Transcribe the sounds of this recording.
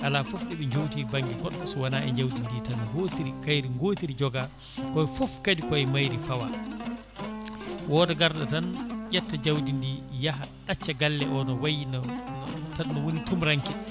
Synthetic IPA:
ʔalafɔfɗiɓɛɲd͡ʒowtibaŋɡiɡɔɗɓasɔwanaʔɛɲd͡ʒawdindiːtanɡotiɾikajɾiŋɡoːtiɾid͡ʒɔɡa | kɔfɔfkadikɔɛmajɾifawa̰ | wɔːdɛɡaɾɗatanjɛtːad͡ʒawdindiːjaɦaɗat͡ʃːaɡalːɛʔɔnɔwajin | tannɔwonitumɾaŋkɛ

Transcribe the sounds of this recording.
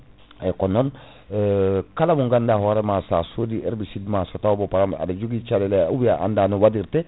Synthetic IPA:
ɛkɔnɔn | kalamuŋɡandahoɾemasa̰sodiɛɾbisidmasotawbɔpaɾama̰dad͡ʒuɡit͡ʃalɛleawiaʔa̰ndanuwadiɾtɛ

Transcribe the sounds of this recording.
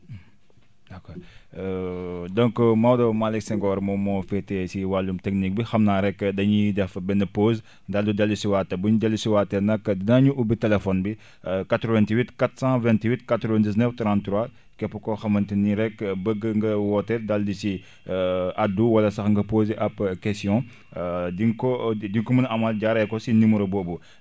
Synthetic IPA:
dɐkɔː | dɔ̃ŋkmɐwdɐwmalɛksɛŋɡɔːɾmɔmɔːfɛtːɛsiwalːumtɛk̚nik̚bixɐmnaːɾɛkːdɐɲidɛfbɛnɐpoːz | daldudɛlːusiwatːɐbuɲudɛlːusiwaːtːɛnɐkːdinɐɲuʔubitɛlɛfɔnbi | katɾɔvɛ̃ntiwitkatsɑ̃vɛ̃ntiwitkatɾɔvɛ̃ndiznəftɾãntːɾwa | kɛpːɐkɔxɐmɐntiniɾɛkːbəɡːəŋɡɐwɔtːɛdaldisi | ʔaduwɐlɐsɐxŋɡɐpoːzeʔɐpkɛstjɔ̃ | diŋkɔdiŋkɔmɐnɐmalɟaɾɛkɔsinumuɾobɔːbu

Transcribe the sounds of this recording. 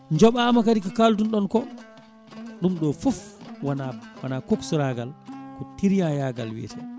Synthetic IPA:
ɲd͡ʒɔɓamakadikikaltunɗɔnkɔ | ɗumɗɔfɔfwanawanakoksuɾaɡalkɔtiɾijajaɡalwɛ̰ːtʰɛ

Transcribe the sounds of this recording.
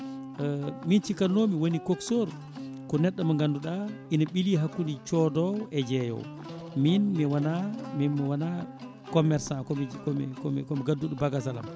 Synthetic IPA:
mint͡ʃikanːomiwonikoksoɾ | kɔnɛɗːamaŋɡanduɗaʔinaɓiliɦakːundit͡ʃɔdɔɛd͡ʒɛjɔ̰w | minmiwanaminmwana | kɔmɛɾsakɔkɔmɛ̰kɔmkɔmɛɡadːuɗɔbaɡasala̰m

